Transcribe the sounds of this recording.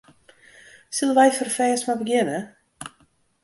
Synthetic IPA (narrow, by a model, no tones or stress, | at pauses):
siləʋɛjfərfɛːsmabəɡjɪnə